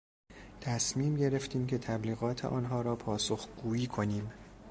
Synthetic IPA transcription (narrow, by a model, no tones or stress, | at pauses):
t̪ʰæsmiːmɟe̞ɾe̞ft̪ʰiːmcʰe̞t̪ʰæbliːɣɒːt̪ʰḛʔɒ̰ːnɦɒːɾɒːpʰɒːsoxɡ̥uːiːkʰo̞niːm